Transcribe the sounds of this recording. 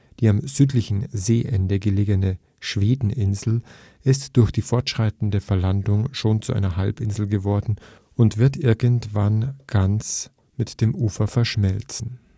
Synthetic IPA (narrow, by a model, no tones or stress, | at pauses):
d̥iːamzyːtlɪçn̩zeːʔɛndəɡəleːɡənə | ʃv̥eːdn̩ʔɪnzl̩ | ʔɪstd̥ʊɐçd̥iːfɔɐtʃʁ̥aɪtn̩dəfɛɐlandʊŋʃoːnt͡suʔaɪnɐɦalpʔɪnzl̩ɡəvɔɐdn̩ | ʔʊntv̥ɪɐtʔɪɐɡəntv̥anɡ̥ant͡s | mɪtd̥eːmʔuːfɐfɛɐʃmɛlt͡sn̩